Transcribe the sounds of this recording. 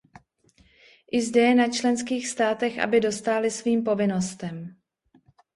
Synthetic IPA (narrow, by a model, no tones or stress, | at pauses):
ʔɪzdɛjɛnat͡ʃlɛnskiːxst̪aːt̪ɛxʔa̰bɪdo̞st̪aːlɪsviːmpo̞vɪno̞st̪ɛm